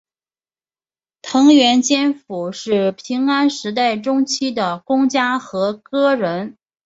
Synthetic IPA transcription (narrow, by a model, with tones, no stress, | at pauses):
t̪ʰɤ˧˥ŋɥɛ˧˥nt͡ɕjɛ˥nfu˨˩ʂɻ̩˥˩pʰi˧˥ŋa˥nʂɻ̩˧˥t̪a˥˩ɪʈ͡ʂʊ˥ŋt͡ɕʰi˥d̪ə˨kʊ˥ŋt͡ɕja˥xɤ˧˥kɤ˥ɻə˧˥n